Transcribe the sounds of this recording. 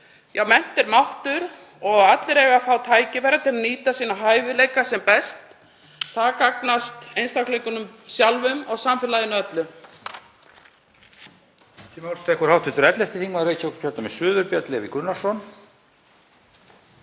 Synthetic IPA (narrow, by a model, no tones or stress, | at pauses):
jawmɛn̥t̪ɛɾmawht̪ʏɾ | ɔɣat̪lɪɾɛːɣafaːwt̪ʰaːjcɪvɛːɾat̪ʰɪlaniːt̪asiːnaɦaːjvɪleːjkasɛmpɛst̪ | θaðakaknast̪ejnst̪awklɛjkʏnʏmsjalvʏmɔɣsamfɪlajðɪnaœt̪lʏ | t̪ʰimawlst̪ʰɛhkʏɾhawt̪ʰɪht̪ʏɾɛt̪lɛft̪ɪ̥θiŋmaɾejcʰawkcʰœɾt̪ʏmɪsʏːðʏɾpjɛt̪lɪɛvɪkʏnːḁsɔn